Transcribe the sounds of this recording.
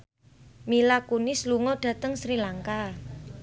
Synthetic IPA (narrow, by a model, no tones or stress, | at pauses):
milakunɪsluŋɔɖ̥ä̤t̪əŋsɾilaŋka